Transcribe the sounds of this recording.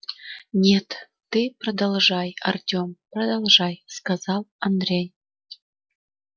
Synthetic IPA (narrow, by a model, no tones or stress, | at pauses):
nʲet̪ː | ɨprod̪ɑlˠʐɑjɑ̰rdʲomprɐd̪ɑlˠʐɑjskɑzɑlˠɐnd̪rʲej